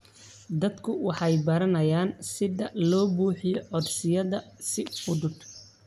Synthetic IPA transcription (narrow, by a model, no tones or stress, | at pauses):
d̪ɐd̪kʰʊwɑħɑjbɐɾɐnɐjaːnsɪðɐlɔːbuːħɪjɔʕɔd̪sɪjɐðɐsɪʊd̪ʊd̪